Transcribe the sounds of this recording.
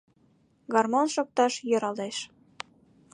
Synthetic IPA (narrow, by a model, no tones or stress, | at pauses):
ɡɑrmonʃok̚t̪ɑʃjɤ̆ɾɑleʃ